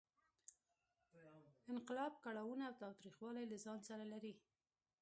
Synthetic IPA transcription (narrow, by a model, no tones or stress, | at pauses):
ɪnqɪlɑb̚kaɽawunaːwt̪ɑwt̪ɾixwɑlajlazɑnsaɾalaɾi